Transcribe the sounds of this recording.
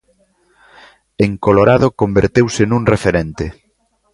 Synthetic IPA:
eŋkoloɾaðokombeɾt̪ewsɪnuŋrefeɾent̪e

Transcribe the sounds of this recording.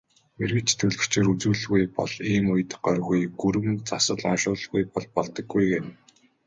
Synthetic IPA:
merɣɘ̆t͡ɕt̪ʰɵɮɣɘ̆kt͡ɕʰeːɾut͡suːɮɣujpɔ̰ɮiːmʊj̆t̪ɢœrɣujɡuɾɘ̆mɘnt͡sasə̆ɮɔnʃʊːɮɣujpɔɮpɔɮt̪ɞ̆ɡːujɡen

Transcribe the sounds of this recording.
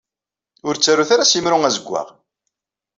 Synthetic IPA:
ʊɾt͡sːaɾːuθaɾasjimɾʊŋæzəɡʷːa̰ʁ

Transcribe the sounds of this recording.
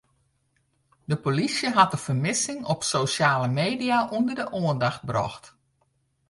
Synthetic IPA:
dəpolisjəɦatəfəmɪsɪŋɔpsowsjaːləmeːdiaʔundərdəʔoəndaxt̚brɔ̰xt

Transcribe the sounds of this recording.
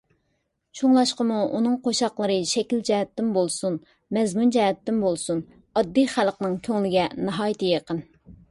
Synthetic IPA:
t͡ʃʰuŋlˠɑʃqəmuunɨŋqʰoʃɑqlˠəɾɨʃɛkʲild͡ʒɛɦɛt̪ːɪmbolˠsun | mɛzmund͡ʒɛɦɛt̪ːɪmbolˠsun | ɑd̪ːijχælˠqnɨŋkʲʰøŋlɪɡʲɛnɑɦɑːjit̪ʰɨjeqən

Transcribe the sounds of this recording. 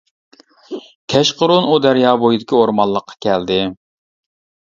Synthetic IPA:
kʲʰɛʃqʊɾʊnud̪æɾjɑːbojid̪ɪkʲioɾmɑnlˠːəqʰːɑ̥kʲʰɛld̪ɪ

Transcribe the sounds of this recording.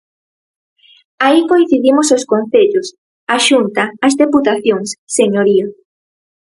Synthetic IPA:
aikoĩn̟θiðimososkõn̟θeʎos | aʃunt̪aːzðeput̪aθjoŋsːeɲoɾio

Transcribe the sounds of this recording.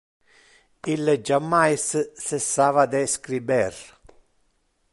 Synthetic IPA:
ilːɛd͡ʒamːajssɛsːaːvad̪ɛskɾibɛr

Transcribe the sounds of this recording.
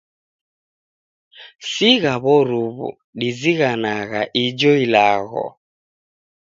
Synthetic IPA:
siɣaβɔɾuβṵ | ɗiziɣanaɣaʔid͡ʒɔilaɣɔ̰

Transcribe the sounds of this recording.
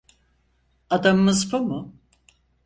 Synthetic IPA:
ad̪amɯmɯzpʰumʊ

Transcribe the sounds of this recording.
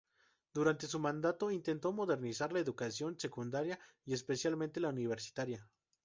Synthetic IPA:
d̪uɾant̪e̞s̬umãnd̪at̪o̞int̪e̞nt̪o̞mo̞ðe̞ɾnisaɾlae̞ðukasjo̞nse̞kund̪aɾja | ie̞spe̞sjalment̪e̞launiβ̞e̞ɾsi̥t̪aɾja

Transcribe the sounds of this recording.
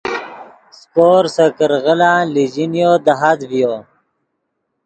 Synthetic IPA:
skoːɾsəkəɾɣəlãlid͡ʑinjod̪aɦad̪vijo

